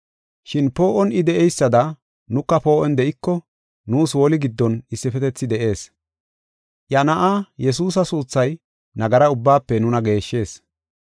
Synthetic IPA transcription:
ʃɪnpo̞ːʔɔnɪd̪ɛʔɛjsːɐd̪ɐ | nʊkːɐpo̞ːʔɔnd̪ɛʔɪkːɔ | nuːswɔlɪɡɪd̪ːɔnɪsːɪfɛt̪ɛt͡sːɪd̪ɛʔe̞ːs | jɐnɐʔaːjɛs̬uːs̬ɐsuːt͡sːɐj | nɐɡɐɾɐʊbːaːpːɛnʊnɐɡe̞ːʃːe̞ːs

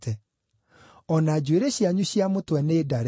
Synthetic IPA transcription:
tɛ | ɔnad͡ʑueɾeɕjaɲuɕijamotwɛneːdaɾ

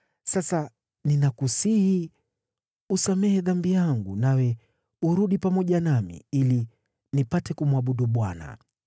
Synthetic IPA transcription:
sasa | ninakusihi | usamɛhɛðambijaŋɡunawɛ | uɾuɗipamɔʄanamḭili | nipatɛkumwaɓuɗuɓwana̰

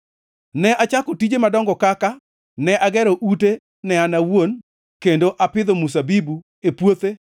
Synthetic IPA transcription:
nɛʔat͡ʃakɔtid͡ʒemadɔŋɡɔkaka | nɛʔaɡɛɾɔʔute | nɛanawon | kendoʔapɪd̪omus̬abibu | epwot̪e

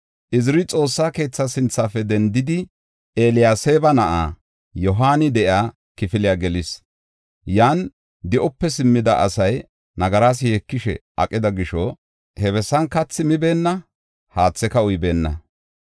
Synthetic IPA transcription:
ʔɪzɾɪt͡sʼo̞ːsːaːke̞ːt͡sːɐsɪnt͡sːaːfɛd̪ɛnd̪ɪd̪ɪ | ʔeːlɪjaːseːbɐnɐʔa̰ː | jɔɦaːnɪd̪ɛʔjaː | kɪfɪlɪjaːɡɛlɪs | jaːn | d̪ɪʔɔpːɛsɪmːɪd̪ɐʔɐ̰sɐj | nɐɡɐɾaːs̬ɪjɛkːɪʃɛ̰ʔɐ̰kʼːɪd̪ɐɡɪʃɔ | hɛβɛsːɐnkɐt͡sːɪmɪbe̞ːnːɐ | haːt͡sːɛkɐʊjbe̞ːnːɐ̰

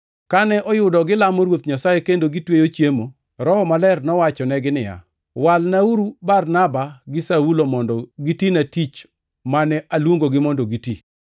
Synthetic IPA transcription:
kanɛʔɔjʊdɔɡɪlamɔɾwot̪ɲasajekendoɡitwejot͡ʃjemo | ɾɔhɔmalɛrnɔwat͡ʃɔnɛɡɪnɪja̰ | walnauɾubarnabaɡɪsaulomɔndɔɡitinatit͡ʃ | manɛʔalwoŋɡoɡɪmɔndɔɡiti

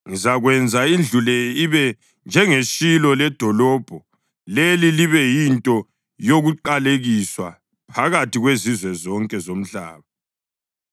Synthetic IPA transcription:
ŋizaɣwɛnd͡zʱaind͡ɮʱulɛiβɛ | nd͡ʒʱɛŋeʃilɔlɛd̥ʱɔlɔːb̥ʱɔ | leliliβɛjintʼɔ | joɣuǃaleɣiswa | pʰaɣatʰiɣwezizwɛzɔŋkʼɛzom̩ɬa̰ːβa

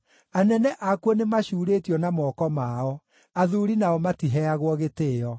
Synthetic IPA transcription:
anɛnɛʔakwɔnemaɕuːɾetiɔnamɔːkɔmaɔ | aðuɾinaɔmatiɦɛaɣwɔɣeteːɔ

